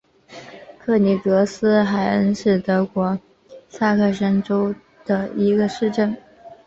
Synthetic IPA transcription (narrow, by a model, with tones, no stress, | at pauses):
kʰɤ˥˩ni˨˩t̪ɤ˧˥sɹ̩˥xa˨˧˩ɪə˥nʂɻ̩˥˩t̪ɤ˧˥kwɔ˧˥ | sa˥˧kʰɤ˥˩ʂə˥nʈ͡ʂo˥ʊ | d̪̥ə˨i˧˥ɡə˧ʂɻ̩˥˧ʈ͡ʂə˥˩n